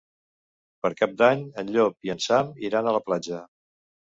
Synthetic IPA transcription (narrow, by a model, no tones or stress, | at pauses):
pəɾkap̚d̪aɲənʎopiənsamiɾanələplad͡ʒə